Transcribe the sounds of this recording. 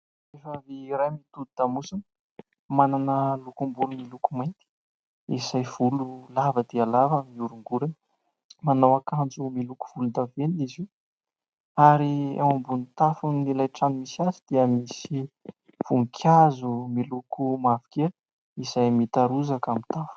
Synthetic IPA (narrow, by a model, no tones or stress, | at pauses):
efaviɾajmit̪ud̪it̪amusun | mananəlukumbulumilukumajnt̪i̥ | izajv̥ululavəd̪ealavamiuɾuŋɡuɾan | manawakand͡zumiluku̥v̥ulund̪avenizi | aɾiḛwambunit̪afunilajʈ͡ʂanimisiazid̪̥iəmisi | v̥uŋkʲʰazumilukumavi̥kʲel | iz̥ajmit̪aɾuzakamit̪afu̥